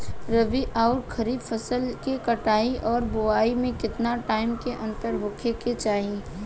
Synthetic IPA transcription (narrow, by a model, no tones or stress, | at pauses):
ɾəʋiʔaʊɾkʰɐɾiːbfʰəsəlkekɐʈaːiʔɔːɾboaːimẽkɪt̪naʈaːɪmkeʔɐ̃nt̪əɾɦʊkʰeket͡ʃaːɦi